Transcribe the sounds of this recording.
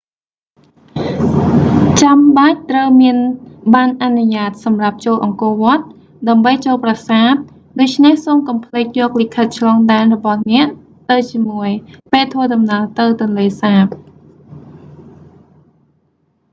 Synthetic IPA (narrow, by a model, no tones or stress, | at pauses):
t͡ɕamɓac̚t̪rəwmiənɓaːnʔanuɲaːt̪̚sɑmrap̚t͡ɕoːlʔɑŋkŏəʋŏət̪̚ | ɗaəmɓəjt͡ɕoːlprasaːt̪̚ | ɗoːc̚t͡ɕʰnehsoːmkɑmpʰleːk̚jɔːk̚likʰət̪̚t͡ɕʰlɑːŋɗaɛnrɔɓɑhnɛ̆əʔ | t̪ɨwt͡ɕiəmuəjpeːlt̪ʰʋəəɗɑmnaːlt̪ɨwt̪̆ənleːsaːp̚